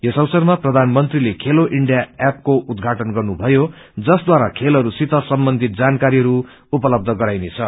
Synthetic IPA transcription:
jʌsʌwsʌrmaprʌd̪ʱanmʌnt̪rilekʰeloʔiɳɖijaap̚koʔud̪ɡʱaʈʌnɡʌrnubʱʌjo | d͡zʌsd̪waɾakʰelʌɾusit̪ʌsʌmbʌnd̪ʱit̪̚d͡zankaɾiɦʌɾu | upʌlʌb̚d̪ʱʌɡʌɾajnet͡sʰʌ

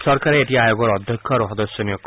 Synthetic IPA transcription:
sʌrkaɾeet̪iajoɡʌɾʌd̪ʱjʌkʰːʌɾoɦʌd̪ʌsjʌnjokː

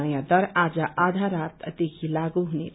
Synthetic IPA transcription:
jãd̪ʌɾad͡ʒaʔad̪ʱaɾat̪d̪ekʰilaɡuɦunḛ

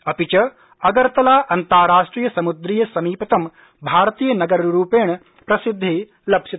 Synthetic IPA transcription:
ɐpit͡ʃɐ | ɐɡɐɾt̪ɐlaːʔɐnt̪aːɾaːʂʈɾiːjɐsɐmud̪ɾiːjɐsɐmiːpɐt̪ɐm | bʱaːɾt̪iːjɐnɐɡɐɾɾuːpeːɳ̃ | pɾɐsid̪ʱːeː | lɐbʃi

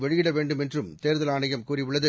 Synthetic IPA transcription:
ʋɛɻɪjɪɽɐʋeːɳɖɯmɛndrɯmt̪eːɾðɐlaːɳɐjɐmkuːrɪʋɯɭːɐðɯ

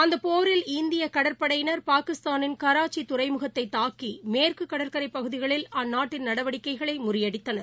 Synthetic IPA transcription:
ɐnd̪ɐpoːɾɪlɪnd̪ɪjɐkɐɽɐɾpɐɽɐjnɐɾpaːkɪst̪aːnɪnkɐɾaːt͡ʃːit̪ʊɾɐɪmɯɣɐt̪ːɐɪt̪ːaːkimeːrkɯkːɐɽɐɾkɐɾɐɪpːɐɣɯðɪɣɐɭɪlɐnːaːʈːɪnnɐɽɐʋɐɽɪkːɐɪɣɐɭɐɪmʊrɪjɐɽɪt̪ːɐnɐɾ

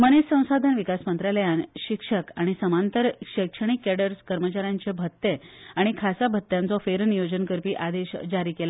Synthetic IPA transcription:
mənessə̃w̃sad̪ʱənʋikasmənt̪ɾaləjanɕikʂəkaɽ̃isəmant̪əɾɕəkʂəɽ̃ikːɛɽəɾskəɾmət͡ɕaɾjaɲt͡ɕebʱət̪ːeaɽ̃ikʰasabʱət̪ːjãnt͡sɔfeɾnijod͡ʑənkəɾpiːʔad̪eɕd͡ʑaɾiːkela

